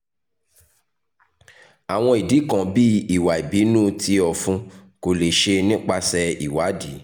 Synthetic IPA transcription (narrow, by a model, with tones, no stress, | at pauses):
a˨w̃ɔ̃˧˦i˨di˨˦kã˧bi˦i˨wa˨i˨bi˨˦nũː˦ti˧ɔ˨fũ˧˦ko˨le˨ʃe˧nĩ˦k͡pa˧sɛ˧i˨wa˨˦di˨˦